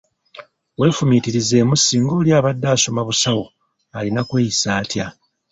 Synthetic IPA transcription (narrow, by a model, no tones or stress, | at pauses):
we̞ːfumitiɾize̞ːmusiːŋɡo̞ːljaːβadːaːso̞maβusawo | alinakwe̞ːisaːtja